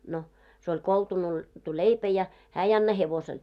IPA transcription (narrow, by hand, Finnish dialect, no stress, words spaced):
no se olʲ koltunoitu leipæ jɑ hæː ei ɑnːɑ heʋosel